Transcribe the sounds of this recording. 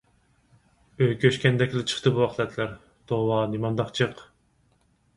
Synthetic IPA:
øjkʲʰøʃkʲɛnd̪ɛkʲlɪt͡ʃʰə̥χt̪ɨbuɑχlˠɛt̪ʰlæɾ | t̪ʰowɑnimɑnd̪ɑχt͡ʃʰɨq

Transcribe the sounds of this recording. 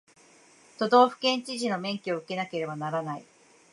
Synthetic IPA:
t̪o̞d̪o̞ːɸɯ̟̥kẽ̞ɲ̟t͡ɕiʑino̞mẽ̞ŋkʲio̞ɯke̞nake̞ɾe̞banaɾanaḭ

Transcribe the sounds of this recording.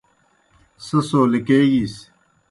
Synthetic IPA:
sɐsoːlikeːɡis

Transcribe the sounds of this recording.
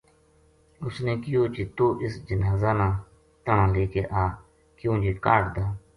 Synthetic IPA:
ʊsneːkɪjoːt͡ʃiːt̪oːʔɪsd͡ʒənaːzaːnãː | t̪əɳãːleːkeːʔaː | kjõːd͡ʒiːkaːʈd̪aː

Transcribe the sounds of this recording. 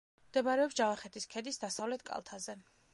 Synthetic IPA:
md̪ɛbaɾɛɔpsd͡ʒavaχɛt̪ʰiskʰɛd̪isd̪asavlɛt̪̚ʰkʼa̰lˠt̪ʰazɛ

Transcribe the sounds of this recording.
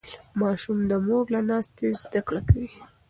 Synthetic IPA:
mɑʃumd̪əmoɡlanɑst̪ezd̪akɽakawi

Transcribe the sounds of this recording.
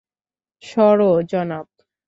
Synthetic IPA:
ʃɔɾod͡ʑɔnab

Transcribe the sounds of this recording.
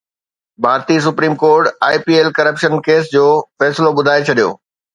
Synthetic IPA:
bʱaːɾt̪is̬ʊpɾiːmkoːɾʈaːipiːeːlkɐɾəpʃənkeːs̬d͡ʑoːfɛːsɪloɓʊd̪ʱaːet͡ɕʰɐɗijo̰ː

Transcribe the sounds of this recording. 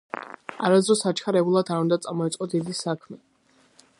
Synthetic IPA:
aɾazd̪ɾɔsat͡ʃʰχʰaɾɛbulˠad̪aɾund̪at̪sʼamɔit̪sʼqʼɔd̪id̪isakʰmɛ

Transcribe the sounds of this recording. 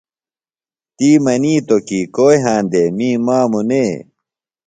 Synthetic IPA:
t̪iːmɐniːt̪okikoːjɦãːnd̪emiːmaːmuneː

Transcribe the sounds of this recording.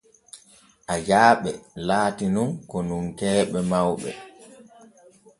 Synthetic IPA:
ʔajaːɓɛlaːtinunkɔnuŋkɛːɓɛmawɓɛ̰

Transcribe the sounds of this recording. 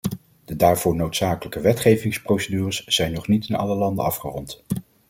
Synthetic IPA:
d̥ədaːɹv̥ʊːɹnowtsaːkələkəʋɛtχejvɪŋsprowsədyːrəsz̥ɛjnɔχnitɪnɑ̰ləlɑndə̰ɑfχərɔnt

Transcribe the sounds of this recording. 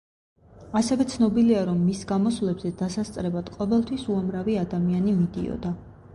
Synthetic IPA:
asɛvɛt̪sʰnɔbiliaɾɔmːisɡamɔswlɛbzɛd̪asast̪sʼɾɛbad̪̥qʼɔvɛlˠt̪ʰwisuamɾaviad̪amianimid̪ḭɔ̰d̪a

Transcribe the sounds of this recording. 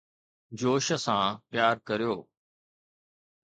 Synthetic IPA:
d͡ʑoːʃəsãpjaːɾkəɾijoː

